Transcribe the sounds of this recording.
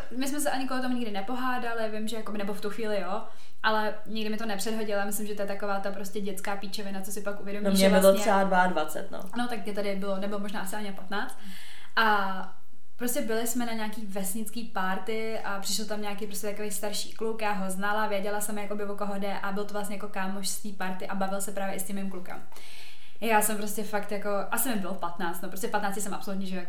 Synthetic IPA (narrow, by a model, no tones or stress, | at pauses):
mɪs̬mɛs̬ɛʔaɲɪkoɦot̪omuɲɪɡdɪnɛpo̞ɦaːdalɪvɪmʒɛjakobɪnɛboft̪uxviːlɪjo | ʔalɛ | ɲɪɡdɪmɪt̪onɛpr̝̥ɛdɦo̞ɟɪlamɪslɪmʒɛt̪ojɛt̪akovaːt̪apɾo̞scɛɟɛt͡skaːpit͡ʃɛvɪnat͡sosɪpakʔuvjɛdomnːimɛɪloɲɛɛadvadvat͡sɛ̰t̪no̰no̞t̪ak̚mɲɛt̪adɪbɪlonɛbɪlomoʒnaːʔasɪaɲɪnapat̪naːt͡st̪ | ʔa | pɾoscɛbɪlɪsmɛnaɲaːkiːvɛsɲɪt͡skiːpaɾt̪ɪ | ʔapr̥ɪʃɛlt̪amɲaːkejpɾoscʲɛt̪ako̞vejst̪aɾʃi̥̰ːklukjaːɦoznalavjɛɟɛlasɛmjako̞bɪvokoɦodɛʔabɪlt̪ovlastɲɛjakokaːmoʃst̪iːpaɾt̪ɪʔabavɪlsɛpɾaːvjɛʔɪscɛmɪmklukɛ̰m | jaːsɛmpɾoscɛfakt̪jako̞ʔasɪmɪmbɪlofpat̪naːt͡st̪nopɾos̬tcɛfpat̪naːt͡scɛsɛmʔapsolut̪ɲɛʒɛojako